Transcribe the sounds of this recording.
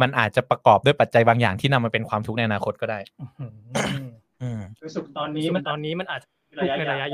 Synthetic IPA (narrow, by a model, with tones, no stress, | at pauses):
ma˧nʔaː˨˩t̪̚t͡ɕa˨˩pɾa˧kɔː˨˩p̚du˥˩pa˨˩t̪̚t͡ɕa˧jbaː˧ŋjaː˨˩ŋt̪ʰiː˥˩na˧mːa˧pe˧nkʰwaː˧mt̪ʰu˦˥k̚a˧jʔa˧naː˧kʰo˦˥t̪̚kɔ˥˩daː˥˩j | ʔɯː˧su˨˩k̚t̪ɔː˧niː˦˥˧t̪ɔː˧nːiː˦˥ma˧nʔaː˨˩t̪̚t͡ɕa˨ | u˥˦na˧ɾa˧ja˦˥ʔ